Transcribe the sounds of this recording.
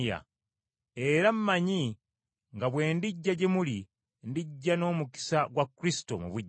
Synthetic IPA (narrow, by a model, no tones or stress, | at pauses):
a̰ | e̞ɾamːaɲi | ŋɡaβwe̞ːndiɟːaɟe̞muli | ndiɟːano̞ːmuki̥saɡwakːuɾisi̥to̞̰mṵβuɟː